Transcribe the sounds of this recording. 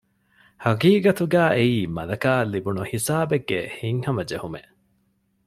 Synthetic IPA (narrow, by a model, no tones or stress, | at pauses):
hɐɡiːɡɐt̪uɡæːʔeiːmɐlɐkaːlːibunuhisaːbeɡːḛhiŋhɐmɐd͡ʒehumeʔ